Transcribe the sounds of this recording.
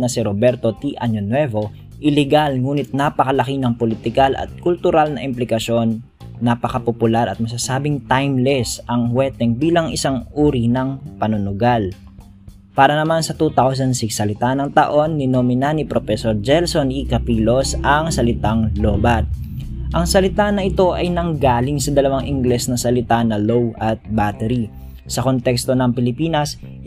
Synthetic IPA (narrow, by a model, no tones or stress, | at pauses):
nɐsiɾobɛɾt̪o̞t̪iʔaɲonwɛvo̞ | ʔɪlɛɡalŋuːnɪt̪̚napɐkɐlɐkinɐŋpolɪt̪ɪkalɐ̰t̪̚kʊlt̪ʊɾalnɐʔɪmplɪkɐʃo̞nː | apɐkɐpopʊlaɾɐ̰t̪̚mɐs̬asaːbɪŋt̪ajmlɛsʔɐŋwɛːt̪ɛŋbiːlɐŋɪsaŋʔuːɾinɐŋpɐnʊnʊɡal | paːɾɐnɐmansɐt̪ut̪aws̬ɐnd̪sɪksːɐlɪt̪anɐŋt̪ɐʔo̞nːɪnomɪnanipɾofɛsoɾd͡ʒɛlsonʔikɐpilo̞sʔɐŋsɐlɪt̪aŋlobɐt̪̚ | ʔɐŋsɐlɪt̪anɐɪt̪o̞ʔɐjnɐŋɡaːlɪŋsɐd̪ɐlɐwaŋʔɪŋɡlɛsnɐsɐlɪt̪anɐlowʔɐt̪̚bat̪ɛɾi | sɐko̞nt̪ɛkst̪o̞nɐŋpɪlɪpiːnɐs